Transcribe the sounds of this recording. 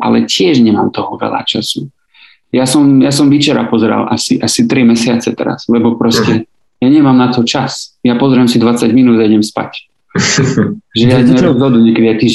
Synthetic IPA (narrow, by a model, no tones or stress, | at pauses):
ʔa̰lɛcɪɛʒɲɛmaːmt̪ɔɦɔʋɛ̰la̰t͡ʃasu | jasɔmjasɔmʋit͡ʃɛɾa̰pɔzɛɾa̰lʔasiʔasit̪ɾimɛsɪat͡sɛt̪ɛ̰ɾa̰z̥lɛbɔpɾɔscɛ | jaɲɛmamnat̪ɔt͡ʃasjapɔzɾɪɛmsid̪ʋat͡saɟminuːd̪ajɛɟɛmspa̰c | ʒɛjaɛɾɔzɦɔd̪uɲɛkɛd̪iajt̪iːʒ